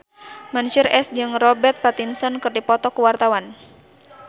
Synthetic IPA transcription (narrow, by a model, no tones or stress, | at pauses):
manuʃʊrɛsd͡ʒɨŋrɔbɛrt̪̚pat̪insɔnkɨrdipɔt̪ɔkuwart̪awan